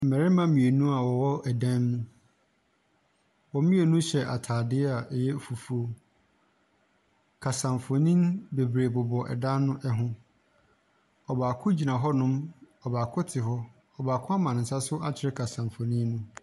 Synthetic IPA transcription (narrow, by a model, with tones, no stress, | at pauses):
m̩˨mɛ˨ɾɪ˦mã˦mĩ˨e˨nũ˦a˨wɔ˨wɔ˦ɛ˨dã˦nːũ˦ | wɔ˨˦mĩ˦e˨nũ˦ɕɛ˨ʔa˨tʰaː˨dɪ˦ɛ˦a˨ʔɛ˨jɛ˦fu˨fu˨o˦ | kʰa˨sã˨mfo˨nĩ˦nbe˨bɾe˨bʊ˨bɔ˨ʔɛ̰˨dã˦nːʊ̃˦ʔɛ˦ɦʊ̃˦ | ɔ˨baː˨kʰʊ̃˦d͡ʑi˨nã˨ɦɔ˦nʊ̃˦m | ɔ˨baː˨kʰʊ˦tʰɪ˨ɦɔ˦ | ɔ˨baː˨kʰʊ̃˦a˦mã˨ñ̩˨sa˦sʊ˦ʔa˦t͡ɕʰɪ˨ɾɪ˦kʰa˨sã˨ɱfo˨nĩ˦nũ˦